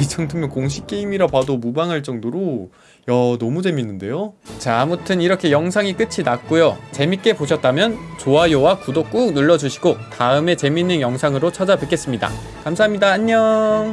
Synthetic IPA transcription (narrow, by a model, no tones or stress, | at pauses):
it͡ɕʰʌŋtʰɯmʌnkoŋɕ̬ʰi̥k̚k͈e̞imiɾapadomubaŋɦaɭt͡ɕ͈ʌŋdoɾo | jʌnʌmud͡ʑe̞minːɯnde̞jot͡ɕaamutʰɯniɾʌkʰe̞jʌŋsʰaŋik͈ɯt͡ɕʰinak̚k͈ujot͡ɕe̞mik͈e̞poɕʰʌt̚t͈amjʌn | t͡ɕoajowakudok͈uk̚nuɭːʌd͡ʑuɕʰiɡotaɯme̞t͡ɕe̞minːɯnjʌŋsʰaŋɯɾot͡ɕʰad͡ʑapɯk͈ʰe̞s͈ɯmɲida̰ | kamsʰaɦamɲidaːɲːʌ